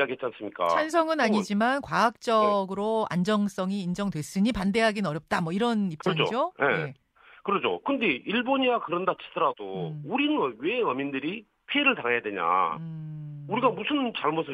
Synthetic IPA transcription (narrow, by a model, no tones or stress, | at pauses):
aɡiet̚t͡ɕ͈ians͈ɯmɲik͈a̰t͡ɕʰans̬ʰʌŋɯnaɲid͡ʑimankwaak̚t͡ɕ͈ʌɡɯɾoa̰nd͡ʑʌŋs͈ʌŋiːnd͡ʑʌŋdwe̞s͈ɯɲipande̞ɦaɡinʌɾjʌp̚t͈amwʌiɾʌnip̚kt͡ɕ͈ɯɾʌŋd͡ʑoojeje | kɯɾʌd͡ʑo̰kɯnde̞iɭboɲiakɯɾʌndat͡ɕʰi̥d̥ʌɾadouɾinɯwe̞ʌmindɯɾi | pʰieɾɯɭtaŋɦejade̞ɲa̰ | uɾiɡamusʰɯnt͡ɕaɭmosʰɯ